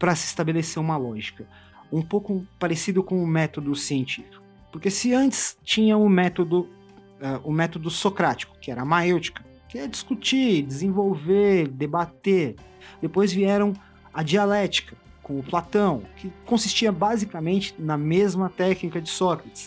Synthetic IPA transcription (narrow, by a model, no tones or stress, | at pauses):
pɾɐsɪːst̪abeleseɾũmɐlɔʒikɐ | ũpowkʊpaɾesid̪ʊkõʊmɛt̪od̪ʊsiẽnt͡ʃifi̥kʊʊpʊɾkesɪɐ̃nt͡ʃɪ̥st͡ʃĩɲɐʊmɛt̪od̪ʊ | ɛʔʊmɛt̪od̪ʊsokɾat͡ʃi̥kʊ̥kɪɛɾɐmaewt͡ʃi̥kɐ̥ | kɪiɛɐd͡ʒiskut͡ʃiɾd͡ʒɪzẽvowveɾd̪ebat̪eɾ | d̪epojzviɛɾɐ̃w̃ | ɐd͡ʒialɛt͡ʃi̥kɐ | kõw̃ʊplat̪ɐ̃w̃kɪkõsist͡ʃiɐbazikɐmẽnt͡ʃɪ̥nɐmezmɐt̪ɛknikɐd͡ʒɪsɔkɾɐt͡ʃɪ̥s